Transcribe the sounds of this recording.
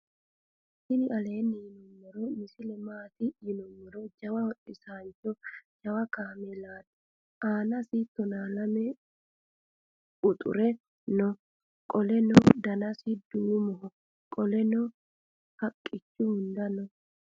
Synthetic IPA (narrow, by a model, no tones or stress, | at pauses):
sɪnɪɐle̞ːnːɪjɪnɔŋːɔɾɔmɪsɪlɛmaːt̪ɪjɪnɔŋːɔɾɔd͡ʒɐwɐɔɗɪsaːnt͡ʃːɔd͡ʒɐwɐkaːmɛlaːd̪ɛ | aːnɐsɪt̪ːɔnalɐmɛ | ʊt̪ʼʊ̰ɾɛ | nɔ | kʼɔlɛnɔd̪ɐnɐsɪd̪̥uːmɔɦɔ | kʼɔlɛnɔ | hɐkʼːɪt͡ʃːʊhʊnd̪ɐnɔ